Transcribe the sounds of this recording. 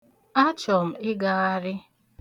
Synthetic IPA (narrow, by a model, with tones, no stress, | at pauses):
a˦t͡ʃɔ˨m̩˨ɪ˦ɡa˨a˦ɾɪ˦